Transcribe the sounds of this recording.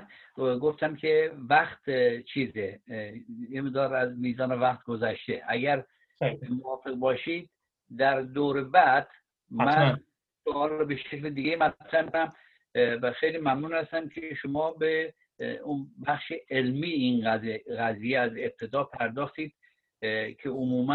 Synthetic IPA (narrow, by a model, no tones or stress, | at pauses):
ɡo̞ft̪æmkʲʰevæχt̪t͡ʃʰiːze | jemeʁd̪ɒːɾæzmiːzɒːnevæχt̪̚ɡozæʃt̪eʔæɡæɾ | movɒːfe̞ɣbɒːʃiːd̪̚ | d̪æɾd̪oːɾebæd̪̥ | mæn | soɒːlɾɔbeʃekled̪iɡejmæt̪t̪ʰɾæhmd̪æm | xejliːmæmnuːnhæst̪æmkʰeʃomɒːbe | unbæχʃeʔelmiːinzɣæzijeæze̞b̚t̪ʰe̞d̪ɒːpʰæɾd̪ɒːxt̪iːd̪̥ | kʲʰeomuːmæ